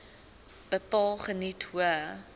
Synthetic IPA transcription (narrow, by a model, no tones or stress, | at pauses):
b̥əpɑːlˠχənitɦuə